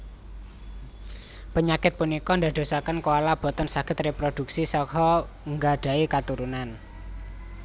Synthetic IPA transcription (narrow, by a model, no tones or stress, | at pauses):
pəɲakɪt̪̚punikɔnd̪a̤d̪̥o̤sakənkoalab̥ɔ̤t̪ɔnsaɡ̥ə̤t̪repɾod̪̥ṳksisɔhɔ | ŋɡaɖ̥a̤ekat̪uɾunan